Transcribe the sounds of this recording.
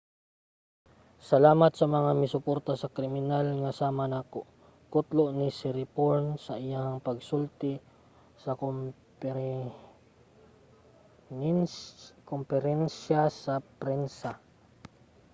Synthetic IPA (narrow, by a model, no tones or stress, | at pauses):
sɐlaːmat̪̚sɐmɐŋamɪsʊpoɾt̪asakɾɪmɪnalŋasaːmanakoʔ | kʊt̪loʔnisɪɾipoɹnsaʔɪjaŋpaɡsult̪ɪ | sɐk | kompɛɾɛnsasapɾɛnsa